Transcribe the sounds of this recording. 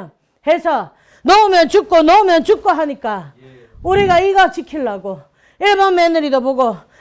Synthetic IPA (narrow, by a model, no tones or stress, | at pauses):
he̞sʰʌ | nʌumjʌnt͡ɕuk͈̚onʌumjʌnt͡ɕuk̚k͈oɦaɲik͈a | uɾiɡaiɡat͡ɕikʰiɭːaɡo | iɭbʌnmenɯɾidoboɡo